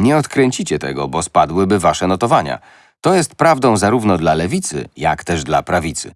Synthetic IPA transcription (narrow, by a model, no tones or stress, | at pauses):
ɲɛɔt̪kɾɛɲt͡ɕit͡ɕɛt̪ɛ̰ɡɔ̰bɔspad̪wɘbɘvaʂɛnɔt̪ɔvaɲa̰ | t̪ɔjɛst̪̚pɾavd̪ɔ̃w̃zaɾuvnɔd̪lalɛvʲit̪sɘ̰ja̰kt̪ɛʐd̪lapɾavʲit̪sɘ̰